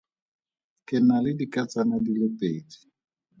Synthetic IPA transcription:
kʼɪnalɪdikʼat͡sʼanadilɔpʼeːdi̥

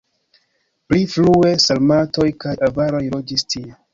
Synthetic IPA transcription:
pliflue̞salmato̞jkajavaɾo̞jlo̞d͡ʒistʰie

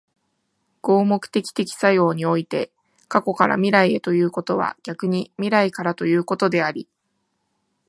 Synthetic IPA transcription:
ɡ̥o̞ːmo̞kɯ̟̥t̪e̞kʲi̥t̪e̞kʲi̥sajo̞ːɲ̟io̞it̪e̞ | kako̞kaɾa̰mʲiɾaie̞t̪o̞jɯ̟ːko̞t̪o̞β̞a̰ɡ̥ʲakɯɲ̟imʲiɾaikaɾat̪o̞jɯ̟ːko̞t̪o̞d̪e̞aɾʲi

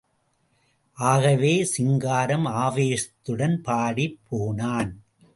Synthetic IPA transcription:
ʔaːɣɐʋeːsɪŋɡaːɾɐmaːʋeːʂɐt̪ːɯɽɐnpaːɽipʰːoːnaːn

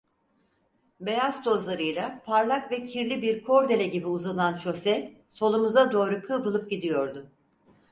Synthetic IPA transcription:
be̞jazt̪ʰo̞zlˠaɾɯjlˠapʰaɾlˠakvɛcʰiɾlʲibiɾkʰo̞ɾd̪e̞lʲɛɟibiuzanˠant͡ʃʰo̞sɛ | so̞lˠumuzd̪ad̪o̞ːɾukʰɯbɯlˠɯp̚ɟid̪ijo̞ɾd̪ʊ

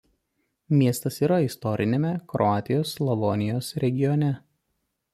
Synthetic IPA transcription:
mʲiɛst̪ɐsiːɾɐɪst̪ɔɾʲʔɪnʲeːmʲɛkɾɔaːt̪ʲɪjoːslˠɐʋɔnʲɪjoːsɾʲɛɡʲɪjɔnʲɛ

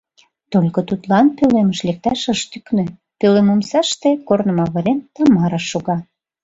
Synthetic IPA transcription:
t̪olʲkot̪ut̪lɑnpøleməʃlek̚t̪ɑʃəʃt̪yknø̆ | pølemomsɑʃt̪ekornə̆mɑβə̆ɾent̪ɑmɑɾɑʃːuɣɑ

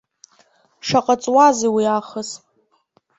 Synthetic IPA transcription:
ʂaqʼat͡sʼwazewiaχəs

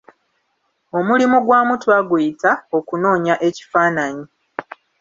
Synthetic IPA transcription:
o̞mulimuɡwaːmutwaɡujitao̞kuno̞ːɲaʔe̞ci̥faːnaɲi

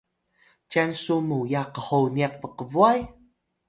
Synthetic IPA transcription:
cansumujaqəhowniaq̚pəqəvuaj

